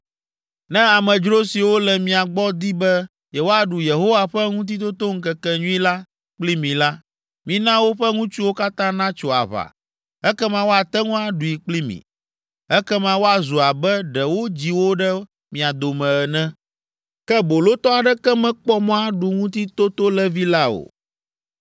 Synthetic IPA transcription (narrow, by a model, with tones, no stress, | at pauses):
nɛ̃˦a˨mɛ̃˨d͡ʒɾo˦si˨wo˦lɛ˨mĩ˨a˨ɡ͡bɔ˦d̪i˦bɛ˦ | jɛ˨wo˦a˨ɖu˨je˨ɦo˦wa˦ɸɛ˦ŋũ˦t̪̬i˦t̪̬o˦t̪o˦ŋ̩˦kɛ˦kɛ˦ɲũ˦ĩ˦la˦ | k͡pli˦mĩ˨la˦ | mĩ˦nã˦wo˦ɸɛ˦ŋũ˦t͡ʃu˦wo˦ka˦t̪ã˦nã˦t͡ʃo˨a̰˨βa̰˨ | ɛ˦kɛ˦mã˦wo˦a˨t̪ɛ˦ŋũ˦a˨ɖu˨i˨k͡pli˦mḭ̃˨ | ɛ˦kɛ˦mã˦wo˦a˨zu˨a˨bɛ˦ɖɛ˨wo˦d͡ʑi˨wo˦ɖɛ˦ | mĩ˨a˨d̪o˨mɛ̃˨ɛ˨nɛ̃˦ | kɛ˦bo˨lo˦t̪ɔ˦a˨ɖɛ˦kɛ˦mɛ̃˦k͡pɔ˦mɔ̃˦a˦ɖu˨ŋũ˦t̪i˦t̪o˦t̪o˦lɛ˦vi˦la˦o̰˨